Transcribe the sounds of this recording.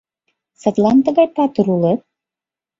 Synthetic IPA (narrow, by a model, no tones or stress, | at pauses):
sɤt̪lɑnt̪ə̆ɣɑjpɑt̪əɾulet̪̚